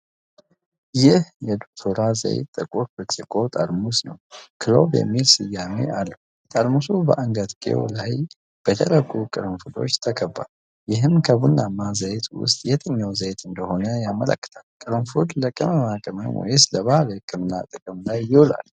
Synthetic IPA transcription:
jɪhjɛd̪ok̚t̪ʰoɾazə̰jɛ̰t̪ʼːəkʼuɾbɨt͡ʃʼːɪkʼo̞t̪ʼəɾmusnəwkʰɨlobjɛ̰mːilsɨjːamḛʔalːəhu | t̪ʼəlmusubəʔaŋɡəd̪kʼḛwlaj | b̥ət̪ʰələkʼukʼɨɾmfud̪o̞̰t͡ʃːt̪ʰəkʰəbːa̰l | jɪɦɨmkʰəbunːamːazəjt̪ʰwʊ̰st̪ʼjɛt̪ʰəɲːawzəjt̪ʰɨnd̪əho̞nəjamələ̰kːə̥t̪ʰalkʼɨɾɨmfud̪ləkʼəməmakʼəmənwɔ̰jesləβaləkʼɨmɨnːa̰t̪ʼɨkʼɨmlajːɪula̰l

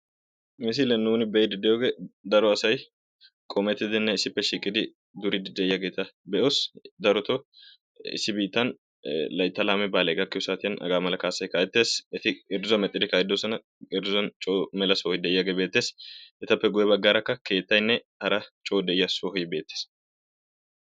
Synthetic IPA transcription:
mɛs̬ilɛnuːnɪbɛjɛd̪ɪd̪ːɛjoɡed̪ɐɾɔɐsɐj | kʼɔmɛt̪ːɪd̪ɪnːɛɪsɪpːɛʃiːkʼːɪd̪ɪ | d̪ʊɾɪd̪ɪd̪ɛɪjːɐɡet̪ːɐbɛʔosd̪ɐɾɔt̪ɔ | ɪ̰sːɪbiːt̪ːɐn | lɐjt̪ːɐlaːmɛbaːlɛɡɐkːɪʊsaːt̪ɪjɐnʔɐ̰ɡaːmɐlɐkɐːsɐjkɐːjɛt̪ːe̞ːsɛt̪ɪɪɾzɔmɛt̪ʼːɪd̪ɪkɐjɛd̪osɐnɐ | ɪɾzɔnt͡ʃʼoːmɛlɐsoːɪd̪ɛjːɐɡebe̞ːt̪ːe̞ːsɛt̪ɐpːɛɡʊjɛbɐɡːaɾɐkːɐke̞ːt̪ːɐjnːɛ | hɐɾɐt͡ʃʼoːd̪ɛɪjːɐsohjbe̞ːt̪ːeːs

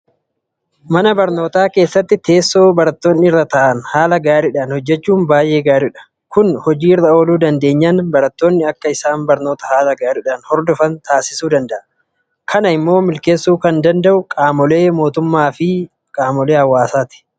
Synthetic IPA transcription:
mɐnɐbɐɾno̞ːt̪aːke̞ːsːɐt̪ːɪt̪e̞ːsːo̞ːbɐɾɐt̪ːoːnːɪɪrːɐt̪ɐʔɐnhaːlɐɡaːɾɪᶑaːnhɔd͡ʒːɛt͡ʃːuːmbaːjʔe̞ːɡaːɾɪᶑɐ̥ | kʊnhɔd͡ʒiːɪrːɐo̞ːluːd̪ɐnd̪e̞ːɲːɐnbɐɾɐt̪ːoːnːɪɐkːɐɪsaːnbɐɾno̞ːt̪ɐhaːlɐɡaːɾɪᶑaːnhɔɾd̪ɔfɐnt̪aːsɪsuːd̪ɐnd̪ɐʔɐ | kʰɐnɐɪmːo̞ːmɪlke̞ːsːuːkɐnd̪ɐnd̪ɐʔʊkʼaːmɔle̞ːmo̞ːt̪ʊmːaːfɪ | kʼaːmɔle̞ːhɐwːaːsaːt̪ɪ̥

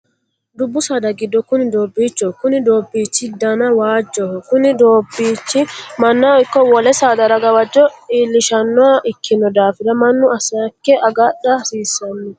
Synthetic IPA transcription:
d̪ʊbːʊsɐd̪ɐɡɪd̪ːɔkʊnɪd̪oːbːiːt͡ʃːɔkʊnɪd̪o̞ːbːiːt͡ʃːɪd̪ɐnɐwaːd͡ʒːɔhɔkʊnɪd̪oːbːiːt͡ʃːɪmɐnːaɪkːɔwɔlɛsad̪ɐɾɐɡɐwɐd͡ʒːɔiːlːɪʃɐnːɔɐʔɪkʰːɪnɔd̪aːfɪd̪ɐmɐnːʊɐsɐkːɛʔɐɡɐɗɐsiːsːɐnːɔ

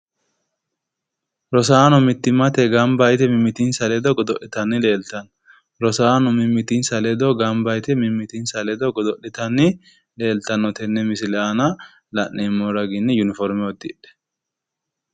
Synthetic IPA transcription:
ɾɔsaːnɔmɪt̪ːɪmɐt̪ɛɡɐmbɐjt̪ɛmɪmːɪt̪insɐlɛd̪ɔɡɔd̪ɔʔɪt̪ɐnːɪle̞ːlt̪ɐn | ɾɔsaːnɔmɪmːɪt̪insɐlɛd̪ɔɡɐmbɐjt̪ɛmɪmːɪt̪insɐlɛd̪ɔɡɔd̪ɔɗːɪt̪ɐnːɪ | le̞ːlt̪ɐnːɔt̪ɛnːɛmɪsɪlɛanɐ | lɐʔeːmːɔɾɐɡɪnːɪjʊnɪfɔɾmɛwɔd̪ːɪᶑɛ̥

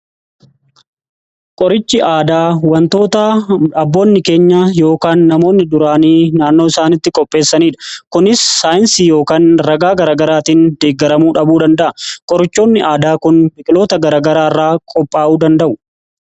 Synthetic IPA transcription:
kʼɔɾɪt͡ʃːɪʔaːd̪aːwɐnt̪o̞ːt̪ɐɐbːo̞ːnːɪke̞ːɲːajo̞ːkaːnːɐmo̞ːnːɪd̪ʊɾaːniːnaːnːo̞ːɪsaːnɪt̪ːɪkʼɔpʼːe̞ːsːɐniːᶑɐ̥kʊnɪsːaːjɪnsiːjo̞ːkaːnɾɐɡaːɡɐɾaːɡɐɾaːt̪iːnd̪e̞ːɡːɐɾɐmuːᶑɐbuːd̪ɐnd̪ɐʔɐkʼɔɾɪt͡ʃːo̞ːnːɪʔaːd̪aːkʊnmɪkʼɪlo̞ːt̪ɐɡɐɾaːɡɐɾaːɪrːaːkʼɔpʼːaːuːd̪ɐnd̪ɐʔʊ

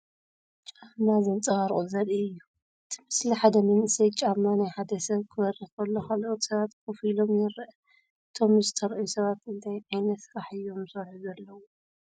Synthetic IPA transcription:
t͡ʃʼamazɐnt͡sʼɐɣaɾʔʼozɐliɨjːu | ʔɨt̪ʰɨ̥mɨsliħad̪ɐmɐnɨsɐjt͡ʃʼamanajħad̪ɐsɐβkʰɨβɐɾixɐlːokʰalʔot̪sɐβat̪kɨfilo̞mjɛɾʔ | ɨt̪ʰo̞mzɨt̪ʰɐɾʔɐjusɐβat̪ɨnt̪ʰajʕajnɐt̪sɾaħɨjːo̞msɐɾħuzɐlːɐwo

